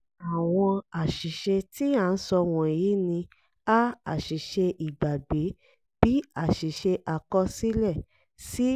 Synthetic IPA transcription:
a˨w̃ɔ̃˧a˨ʃi˨ʃe˧ti˦a˦˧n̩˦sɔ˧w̃ɔ̃˨jiː˨˦nĩ˧ | a˦a̰˨ʃi˨ʃe˧ʔi˨ɡ͡ba˨ɡ͡be˨˦ | b̥i˨˦a˦˨ʃi˨ʃe˧ʔa˨kɔ˦si˦lɛ˦˨ | si˦

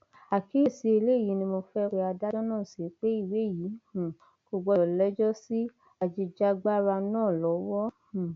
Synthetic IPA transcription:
a˨kʰi˨˦i˦˨si˨˦e˧le˦˨ji˨˦nĩ˧mo˧fɛ˦˧ɾe˧a˧da˦dã˦nãː˦˨se˨˦k͡pe˦i˦˨we˨˦˨ji˨˦ũ˨ | ɡ̥o˨˧ɡ͡bɔ˧˨lɛ˦d͡ʒɔ˦si˦ | a˧d͡ʒi˧d͡ʒa˦ɡ͡ba˦ɾa˧nãː˦˨lɔ˨˦wɔ̃˦˨

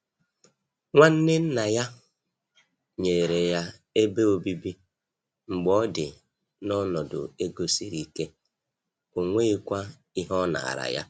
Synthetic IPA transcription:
ŋʷa˦n̩˦nɪ˦n̩˦na˨ja˦ | ɲe˨ɾe˨ja˦ | e˦be˦o˨bi˦bi˦ | ŋ͡m̩˨ɡ͡bɔ˦dɪ˨ | nɔ˦nɔ˨dʊ̰˨e˦ɡo˦si˦ɾi˨ke˦ | o˨ŋʷe˦i˦kʷa˦ | i˦ɦɔ˦na̰˨a̰˨ɾa̰˨ja̰˦

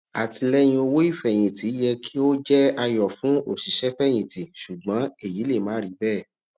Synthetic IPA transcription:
a̰˨ti˧lɛ˦j̃ĩ˧o˧wo˦i˦˨fɛ˨j̃ĩ˨ti˨˦jɛ˧kʰi˦o˦d͡ʒɛ˦a˧jɔ˨fũ˨˦o˨ʃi˨˦ʃɛ˦fɛ˦˨j̃ĩ˨ti˨ʃu˨ɡ͡bã˨˦e˦˨ji˨˦le˦˨mã˨˦ɾi˨˦bɛː˦˨

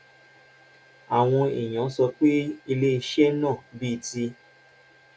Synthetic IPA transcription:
a˨w̃ɔ̃˧i˨j̃ã˨˦sɔ˧k͡pe˦i˧le˦i˧ʃe˦nãː˦˨bi˦i˧˨ti˧

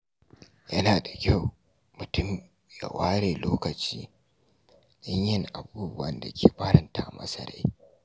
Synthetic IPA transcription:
jɐ˦naː˨da˨kʲa˦˨w | mʊ˨tʊ˦m | ja̰˨waː˦ɽeː˨loː˦kɐ˨t͡ʃiː˦ | lɪ˦ɲjɪ˦ŋʔa˨buː˦bʊ˦wɐ̰˦nda˨kʲeː˨ɸa˦ɽɐ˨nta˨mʔɐ̰˦sɐ˦˨ɽa̰˦j

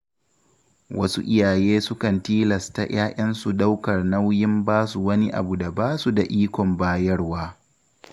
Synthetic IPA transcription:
wɐ̰˦sṵ˦ʔɪ˦jaː˨jeː˦sʊ˦kɐ˨ntiː˦lɐ˨sta̰˨j̰aː˦ʔʲɐ˦nsu˨ɗa˦wkɐ˨rna˦wjɪ˦mbaː˦su˨wɐ˦ni˦ʔa̰˨bu˨da˨baː˦su˨da˨ʔiː˦kʷɔ˨mbaː˦jɐ˦rwaː˦

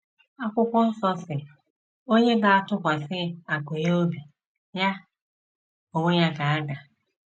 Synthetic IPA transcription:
a˦kʷʊ˦kʷɔ˦n̩˦sɔ˦sɪ˨ | o˦ɲe˦ba˨a˨tʊ˦kʷa˨sɪ˦a˨kʷe˨jo˦bi˨ | ja˦ | o˨ŋo˦ɲa˦ka˨a˦ɡa˨

